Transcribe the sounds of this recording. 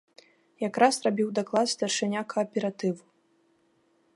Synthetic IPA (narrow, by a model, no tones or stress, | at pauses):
jakɾasrabʲiwd̪aklˠat̪sʲt̪ɐrʂɨnʲakɐːpʲɛɾat̪ɨwu